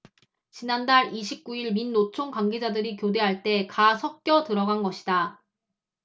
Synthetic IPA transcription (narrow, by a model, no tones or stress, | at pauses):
t͡ɕinandaɾiɕ̬ʰip̚k͈uiɭminːot͡ɕʰoŋkwaŋɡe̞d͡ʑadɯɾikjode̞ɦaɭt͈e̞kasʰʌk̚k͈jʌtɯɾʌɡanɡʌɕʰida